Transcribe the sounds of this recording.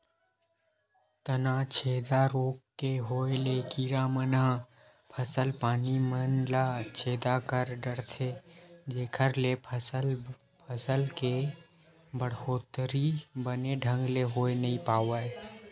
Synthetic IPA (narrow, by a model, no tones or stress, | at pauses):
t̪ənaːt͡ʃʰeːd̪aɾoːkːeɦoːelekiːɾaməna | pʰəsəlpaːnimənlat͡ʃʰeːd̪akəɾɖəɽt̪ʰed͡ʒeːkʰəɾlepʰəsəl | pʰəsəlke | bəɽoːt̪əɾibəneɖʱə̃ŋɡleɦoːenɐɦĩpaːwaːe